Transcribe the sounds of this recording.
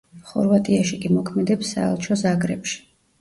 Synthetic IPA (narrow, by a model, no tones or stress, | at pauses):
χɔ̰ɾvat̪ʼiaʃikʼimɔkʰmɛd̪ɛpsːa̰ɛ̰lˠt͡ʃʰɔzaɡɾɛ̰pʃi̥